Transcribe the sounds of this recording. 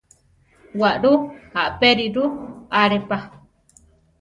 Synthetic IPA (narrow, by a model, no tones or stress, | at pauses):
waʔɾuaʔpeɾiɾuaɾepa